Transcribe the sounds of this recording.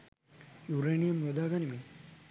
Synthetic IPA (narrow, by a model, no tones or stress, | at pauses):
juɾeːnijɐmɾɐd̪aːɡanimi